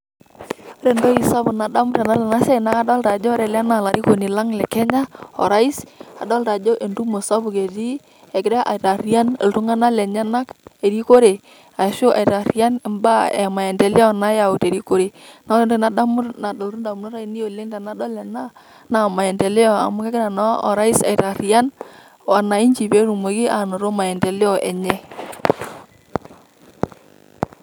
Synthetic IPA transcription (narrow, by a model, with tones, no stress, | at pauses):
o˦ɾe˨ndo˦i˨sa˦bʊ˨na˨da˦mʊ˦tɛ˨na˦lɛ˨na˦sɛ˦i˨na˦ka˦dɔ˦lɾa˨d͡ʒɔ˦ɾɛ˨la˦na˨la˨ɾi˦ko˨ni˨la˦ŋlɛ˨kɛ˦ɲa˦ɔ̰˨ɾa˦i˦sa̰˨dɔ˦lɾa˨d͡ʒo˦ʔe˨ndu˦mo˨sa˦bu˨ke˨di˦ | e˨kɪ˦ɾɛ˦ʔa̰˨ɾa˨ɾi˦a˦nḛ˨lɾu˦ŋa˦na˦lɛ˨ɲa˦na˦ke˨ɾi˦ko˦ɾe˨ | a˨so˦ʔa̰˨i˨ɾa˨ɾi˦a˦n˨mba˦ɛ̰˨ma˨ɛ˨ndɛ˨lɪ˦ɔ˦na˦ja˨ʊ˨te˨ɾi˦ko˦ɾe˨na˨˦ɔ˦ndo˦˨na˦da˦mʊ˦ɾna˨dɔ˨lɾu˦nda˨mu˨˦nɔ˦ɾa˦i˨ni˦o˨le˦ŋda˨na˦dɔ˦lɛ˨na˦ | na˨ma˨ɛ˨ndɛ˨lɪ˦ɔ˨a̰˨mʊ˦ke˦kɪ˦ɾa˨nɔ˦ɔ̰˨ɾa˦ɪ˦sa̰˨i˨ɾa˨ɾi˨a˦n | a˨na˨i˦ɲd͡ʒi˨pe˨˦ɾu˨mo˨ɡi˦ʔa˨no˨ɾo˦ma˨ɛ˨ndɛ˨lɪ˦ɔ˨ʔɛ̰˨ɲɛ˦